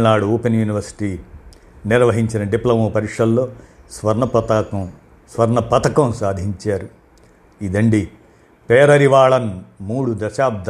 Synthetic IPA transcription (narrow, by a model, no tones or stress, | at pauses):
naːɽuoːpenjuːniʋɐɾsi̥ʈiː | niɾʋɐɦiɲt͡ʃinɐɖiplɐmoːpɐɾiʂɐllo̞ːsʋɐɾnɐpɐt̪ːɐ | sʋɐɾnɐpɐt̪ɐkɐ̃msaːd̪ʱiɲt͡ʃaːɾu | id̪ɐɳɖi | peːɾɐɾiʋaːɭɐnmuːɽud̪ɐʃaːp̚d̪ʱ